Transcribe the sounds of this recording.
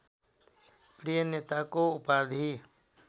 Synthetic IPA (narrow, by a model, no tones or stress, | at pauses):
pɾijəneːt̪aːkoːʊpaːd̪ʱiː